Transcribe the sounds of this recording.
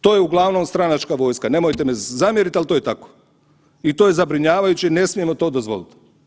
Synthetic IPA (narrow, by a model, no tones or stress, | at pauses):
t̪o̞ːjeuɡlˠaʋno̞mst̪ɾanat͡ʃkaʋo̞ːjskane̞mojt̪emezamjeɾit̪alit̪ojet̪ako̥ | it̪oje̞zabɾiɲaːʋajut͡ɕine̞smije̞mo̞t̪o̞ːd̪ozʋo̞̰lit̪